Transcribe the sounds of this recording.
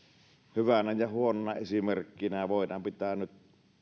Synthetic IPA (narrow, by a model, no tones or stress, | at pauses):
hyʋænæjɑhuononɑesimerkːinæʋoˑinɑmpit̪æːnyt̪